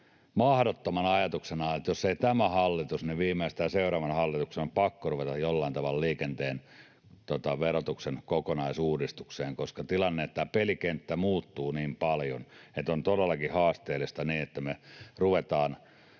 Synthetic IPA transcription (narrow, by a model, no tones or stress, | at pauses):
mɑhdot̪ːomɑnɑjɑt̪uksenɑːnet̪josːeit̪æmæhɑlːit̪usniʋiːmˑeist̪æːseurɑːʋɑnhɑlːit̪uksenompɑkːoruʋet̪ɑjolːɑˑint̪ɑʋɑlliːkent̪eːn | t̪ot̪ɑʋerot̪uksenkokonɑisuːdist̪ukseːŋkoskɑt̪ilɑnːeet̪ːæpelikent̪ːæmuːt̪ːuːniːmpɑljo̰net̪ont̪odelːɑkihɑːst̪eːlist̪ɑniːet̪ːæmeruʋet̪ɑːn